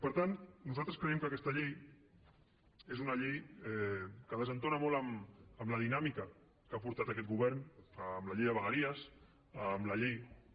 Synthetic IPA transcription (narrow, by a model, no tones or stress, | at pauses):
pəɾt̪ant̪nuzalt̪ɾəskɾəɛmkəkɛst̪əʎej | ezunəʎejɛkəðəzənt̪onəmoləməmləðinamikə | kapuɾt̪at̪əkɛt̪̚ɡuβɛɾnəmləʎejðəβəɣəɾiəs | əmləʎej